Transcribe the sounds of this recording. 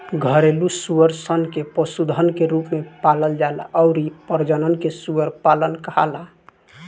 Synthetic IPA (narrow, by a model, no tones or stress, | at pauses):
ɡʱəɾelusuəɾsənkepəsud̪ʱənkeɾupmepaləld͡ʒaelaɔʊɾipəɾd͡ʒənənkesuəɾpalənkəɦa̰la